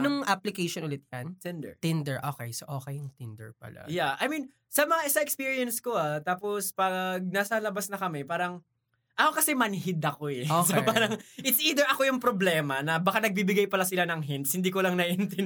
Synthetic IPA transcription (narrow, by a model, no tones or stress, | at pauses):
ɐnʊŋʔaplɪkejʃonʔʊlɪt̪̚jɐnt̪ɛnd̪ɛ̰ɹt̪ɪnd̪ɛɹʔoːkɛjsoʔoːkɛjʊŋt̪ɪnd̪ɛ̰ɹpɐ̰la̰jaʔɐ̰jmin | sɐmɐŋaʔɪsɐɛkspiːɹiɛnsko̞at̪aːpospɐɡ̚nɐsɐlɐbasnɐkɐmɛpaːɾɐŋ | ʔɐkokɐsɛmɐnɦɪd̪ɐko̞ɛospaːɾɐŋʔɪt̪sʔiːd̪ɛɹʔɐko̞jʊŋpɾoblɛːmɐnɐbɐkanɐɡ̚bibɪɡajpɐlasɪlanɐŋɦɛnt̪shɪnd̪iːk̬olɐŋnɐʔɪnt̪ɛn